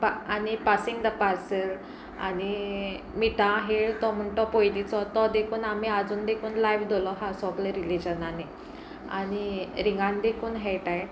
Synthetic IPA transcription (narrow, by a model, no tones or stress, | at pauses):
panipasiŋɡd̪əpaɾsəɾ | a̰ɽ̃i | miʈãɦeɭt̪ɔm̤əɳʈɔpojlit͡sɔt̪ɔd̪ekʰuːnamiad͡zuːnd̪ekʰuːnlajʋd̪olɔɦasɔkləɾilid͡ʑənane | a̰ɽ̃iɾiŋɡãnd̪ekʰuːnɦɛʈaj